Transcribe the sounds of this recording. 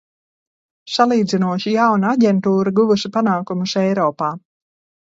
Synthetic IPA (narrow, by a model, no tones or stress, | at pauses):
salˠiːd̪zinuɔʃijawnaaɟʲɛnt̪uːɾaɡuvuʃipanaːkumusɛjɾɔːpaː